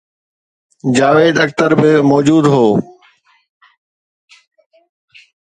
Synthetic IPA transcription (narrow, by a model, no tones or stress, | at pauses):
d͡ʒaːʋeːd̪əkt̪əɾbɪmɔːd͡ʒuːd̪ɦoː